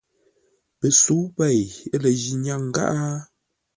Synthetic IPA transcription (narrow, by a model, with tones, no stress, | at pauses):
pə˨su˨˦pɛ˨jə˦lə˨ʒi˨ɲa˦˨ŋ̩˦ɡa̰˦ʔa˦